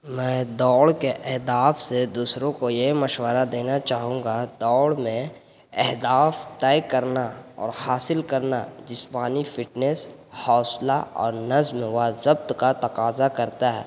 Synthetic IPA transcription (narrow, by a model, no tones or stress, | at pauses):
mɛ̃ːd̪ɔːɽkeʔɛɦd̪aːfsed̪uːsɾõkojeɦməʃwəɾad̪eːnat͡ʃaːɦũːŋɡad̪ɔːɽmẽ | ɛɦd̪aːft̪ɛːkɐɾnaɔ̰ːɾhaːsɪlkəɾnad͡ʒɪspaːnifʰɪʈneshɔːsla̰ɔ̰ːɾnɐzmʋazəbt̪kat̪ɐqaːzakɐɾt̪aɦɛː